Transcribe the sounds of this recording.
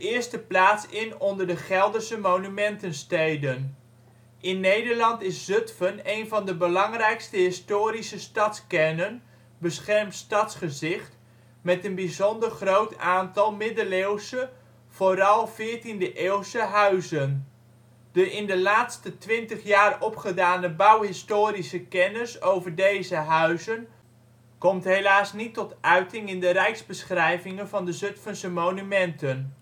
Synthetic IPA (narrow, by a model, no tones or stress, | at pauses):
əɪːɹstəplaːtsɪnɔndəɹdəχɛlˠdəɹsəmownymɛntənstejdən | ʔɪnːejdəɹlɑntɪszøtfənejnvɑndəbəlɑŋrɛjkstəɦɪstoːɾisəstɑtskɛnən | bəsχɛrmtstɑtsχəzɪχt | mɛtənbizɔndərχrowtaːntɑlˠmɪdəlewsə | v̥oːɾɑlˠvɪːɹtindəʔeːwsəɦœɥzən | d̥əʔɪndəlaːtstətʋɪntəχjaːrɔpχədaːnəbɑwɦɪstoːɾisəkɛnəsowvəɹdejzəɦœɥzən | kɔmtɦejlaːsnitɔtʔœɥtɪŋɪndəɾɛjkzbəsχrɛjvɪŋənvɑndəzɵtfənsəmownymɛntən